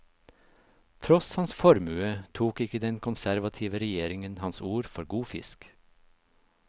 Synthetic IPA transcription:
t̪ʰɾɔshɑnsfɔɾmʉːət̪ʰuːkɪkəd̪ɛnkʰʊnsæɾʋɑt̪ʰiːʋəɾɛjeːɾɪŋənhɑnsuːɾfɔɾɡuːfɪ̰sk

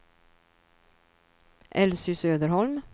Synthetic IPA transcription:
ʔɛlsʏsøːd̪əɾhɔlm

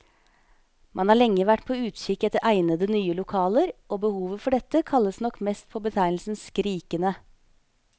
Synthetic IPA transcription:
mʔɑnhɑːɭɛŋːəʋæʈːpʰoːʉːt̪ʃɪkɛt̪ːəɾʔæɪnəd̪ənyːəlʊkʰɑːləɾʔoːbəhuːʋəfɔɖɛt̪əkʰɑlːəsnɔkːmɛst̪̚pʰoːbət̪ʰæɪnl̩sn̩skɾiːkənə

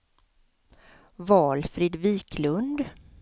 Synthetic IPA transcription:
vɑːlfɾɪd̪viːkʰlɵnd̪

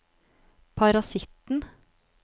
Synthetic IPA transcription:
pʰɑɾɑsɪt̪n̩

